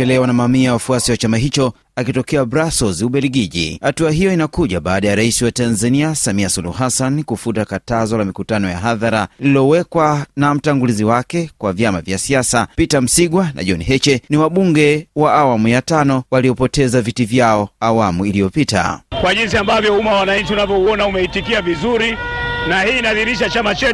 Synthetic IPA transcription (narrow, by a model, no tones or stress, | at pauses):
ɛlɛwanamamiawafuasiwat͡ʃamaɦit͡ʃɔ | akitɔkɛabɾasɔziuɓɛliɡiʄḭhatuaɦijɔinakuʄaɓaːɗajaɾaisiwatanzaniasamiasulṵuɦasankufutakatazɔlamikutanɔja̰ɦaðaɾalililɔwɛkwanam̩taŋɡuliziwakɛkwavjamavjasiasapitam̩siɠwana̰ʄɔniɦɛt͡ʃɛniwaɓuŋɡɛwaʔawamujatanɔwaliɔpɔtɛzavitivjaɔawamuilijɔpita̰kwaʄinsiambavjɔumawanaɲ̩t͡ʃiunavjɔuɔnaumɛitikiavizuɾinahiːnaðiɾiʃat͡ʃamat͡ʃɛ